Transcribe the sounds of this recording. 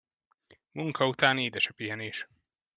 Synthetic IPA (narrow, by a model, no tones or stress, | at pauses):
muŋkʰɒut̪aːneːd̪ɛʃɛpiɦɛneːʃ